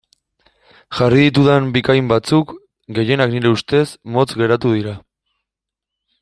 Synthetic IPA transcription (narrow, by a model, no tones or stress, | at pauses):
xariðit̪uðembikajmbat͡suk | ɡe̞je̞nakniɾe̞ust̪e̞smo̞t͡sɡe̞ɾat̪uðiɾa